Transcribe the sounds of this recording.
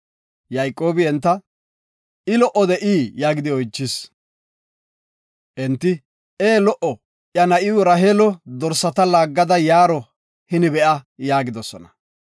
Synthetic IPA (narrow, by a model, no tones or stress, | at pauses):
jɐjkʼːo̞ːbɪɛnt̪ːɐ | ɪlɔʔɔd̪ɛʔiːjaːɡɪd̪ɪɔjt͡ʃːɪs | ʔɛnt̪ːɪ | eːlɔʔɔ | ʔjɐnɐʔɪwɔɾɐɦeːlɔd̪ɔɾsːɐt̪ɐlaːɡːɐd̪ɐjaːɾɔ | hɪnɪbɛʔɐjaːɡɪd̪ɔsɔnɐ